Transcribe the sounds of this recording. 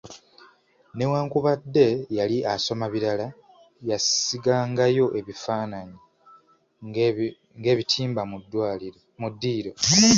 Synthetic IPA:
ne̞waːŋkuβadːe̞jaliʔaso̞maβiɾala | jasiɡaːŋɡajo̞ʔe̞βifaːnaɲi | ŋɡe̞ːβitʰiːmbamudwi | mudːiːɾo̞

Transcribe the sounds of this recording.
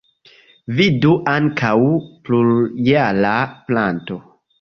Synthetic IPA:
viduʔaŋkʰawpluɾjalaplanto̞

